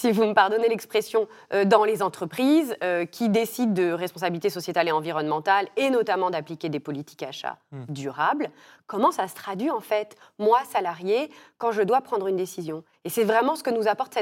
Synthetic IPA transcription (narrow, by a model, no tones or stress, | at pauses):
sivuməpaʁd̪ɔnelɛkspχesjɔ̃ | ød̪ɑ̃lezɑ̃t̪χəpχizøkʲid̪esid̪ːəʁɛspɔ̃s̬abilit̪esɔsjet̪aleɑ̃viʁɔnmɑ̃t̪alenɔt̪amɑ̃d̪aplikʲed̪epɔlit̪i̥ka̰ʃa̰d̪yʁabl | kɔmɑ̃sasə̥t̪χad̪ɥiɑ̃fɛt̪mwasalaʁjekɑ̃ʒəd̪wapχɑ̃d̪ʁynd̪esizjɔ̃ | esɛvʁɛmɑ̃sə̥kənuzapɔʁt̪sɛ